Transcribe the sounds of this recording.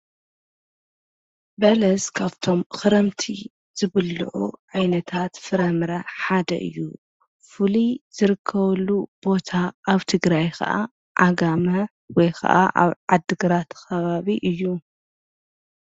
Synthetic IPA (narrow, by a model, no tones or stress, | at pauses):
bɐlɐzkʰaβt̪ʰo̞mxɨɾɐmt̪ʰi | z̥ɨβɨlːṵʕṵʕajnɐt̪ʰat̪fɨɾɐmɾɐħad̪ɐ̰ʔɨ̰jːṵ | fɨliz̥ɨɾɨkʰːɐβɐlːub̥o̞t̪ʰaʔaβt̪ʰɨɡɾajkʰɐ̰ʔa̰ | ʔaɡamɐ | wɔjkʰɐ̰ʔaʔa̰βʕad̪ːɨɡɨɾat̪kɐβaβiʔɨjːu